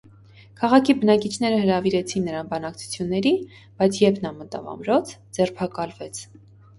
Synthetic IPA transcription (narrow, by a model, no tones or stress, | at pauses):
kʰɑʁɑkʰibənɑkit͡ʃʰn̪ɛɾəhəɾɑviɾɛt͡sʰinːəɾɑnbɑnɑk̚t͡sʰu̥t͡sʰjunːɛɾi | b̥ɑjt͡sʰjɛpʰnɑmət̪ɑ̰vɑ̰mɾɔt͡sʰd͡zɛrpʰɑkɑlvɛt͡sʰ